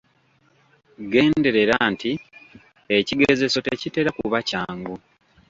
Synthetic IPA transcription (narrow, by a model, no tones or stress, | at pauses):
ɡe̞ːnde̞ɾe̞ɾanti | eciɡeze̞so̞tecite̞ɾakuβacaːŋɡu